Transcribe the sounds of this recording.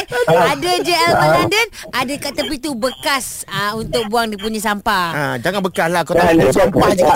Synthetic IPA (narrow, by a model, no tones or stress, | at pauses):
adad͡ʒeɛlpalandən | ʔadakat̪əpit̪ubəkas | əunt̪ʊk̚buaŋdipuɲasampaad͡ʒaŋanbəkaslahkat̪adisampad͡ʒa